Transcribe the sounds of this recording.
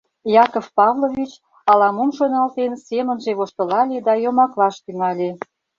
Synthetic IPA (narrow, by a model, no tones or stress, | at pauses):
jɑkofpɑvlovʲit͡ɕ | ɑlɑmumʃonɑlt̪ensemənʒeβoʃt̪ə̆lɑlʲed̪ɑjomɑklɑʃt̪yŋɑlʲe